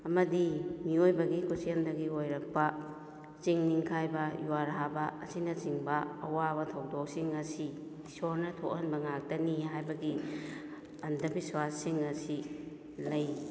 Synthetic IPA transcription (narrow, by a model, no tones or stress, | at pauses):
ɐmɐdimiojbɐɡikʰusijɐndɐɡiojɾɐk̚pɐ | t͡ʃiŋniŋkʰajbɐjuwaɾɦabɐːsinɐt͡ʃiŋbɐːwabɐtʰɐwdɔk̚siŋɐsi | isoɾnɐtʰokɐnbɐŋak̚tɐniɦajbɐɡi | ɐndɐbiswasːiŋɐsi | lɐj